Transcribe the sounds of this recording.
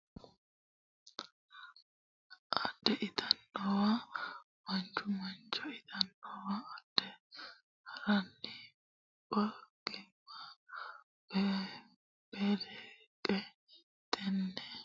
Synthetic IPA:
ʔɐd̪ːɛʔɪt̪ʰɐnːɔwa | mɐnt͡ʃːʊmɐnt͡ʃːɔɪt̪ʰɐnːowaːd̪̥ːɛ | hɐɾɐnːɪ | bɐɡ̥ɪmːɐ | b̥eːlɛ | kʼɛ | t̪ɛnːɛ

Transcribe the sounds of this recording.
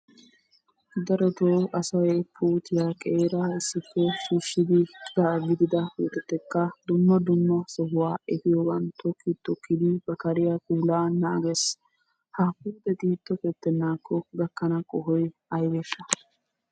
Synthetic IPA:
d̪ɐɾɔt̪oːʔɐsɐwɛpʰuːt̪ɪjaːkʼeːɾaɪsːɪkːɔʃuʃːɪd̪ɪd̪ɐɡɪd̪ɪd̪ɐwɔ̰t̪ɛt̪ːɛkːɐd̪ʊmːɐd̪ʊmːɐsɔɦʊwaːɛfɪjɔbɐnt̪ʰɔkːit̪ːɔkːɪd̪ɪbɐkɐɾɪjɐkʼuːlaːnaːɡɛs | hɐpuːt̪ːɛt̪iːt̪ːɔkɛt̪ːɛnːaːkːɔɡɐkːɐnɐkʼɔɦɔjɐjbɛʃːɐ

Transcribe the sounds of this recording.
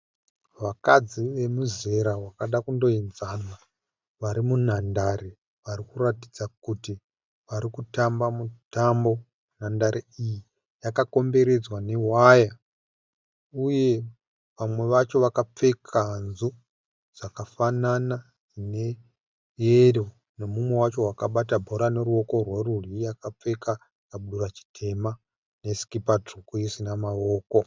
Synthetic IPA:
ʋakad͡ziʋe̞muze̞ɾawakaɗakundo̞inzana | ʋaɾimun̤andare | ʋaɾikuratid͡zakuti | ʋaɾikutambamutambo̞ | n̤andaɾeiji | jakako̞mbe̞ɾe̞d͡zwane̞waja | uje̞ | ʋamwe̞ʋat͡ʃo̞ʋakap͡fe̞kʰanzu | d͡z̥akafanana | ine̞ | jeɾo | ne̞mumwe̞wat͡ʃo̞wakaɓatabʱo̞ɾane̞ɾuo̞ko̞rwerurijakap͡fe̞ka | kaɓuɗurat͡ʃi̥tʰe̞ma | ne̞si̥kipatrukujisinamao̞ːko̞

